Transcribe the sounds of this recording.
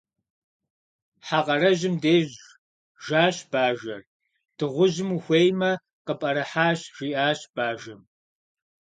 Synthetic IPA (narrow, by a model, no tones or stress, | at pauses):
ħaːqʼɐrɐʒɪmdeːʑ | ʒaːɕb̥aːʒɐr | d̥ɨʁʷʊʑɪmuxʷeːjmɐ | qəpʼɐɾɐħaːɕʒ̥iːʔaːɕb̥aːʒɐm